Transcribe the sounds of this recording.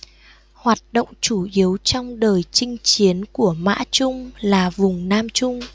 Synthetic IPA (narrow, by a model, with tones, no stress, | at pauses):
hwaː˨˩t̚ɗo̰˧˨wŋ͡mt͡ɕu˧˩ʔi˨˦əwt͡ɕɔ˧wŋ͡mɗəː˨˩jt͡ɕï˧ŋ̟t͡ɕi˨˦ənku˧˩əma̰ː˧˥t͡ɕʊ˧ŋ͡mlaː˨˩vʊ˨˩ŋ͡mnaː˧mt͡ɕʊ˧ŋ͡m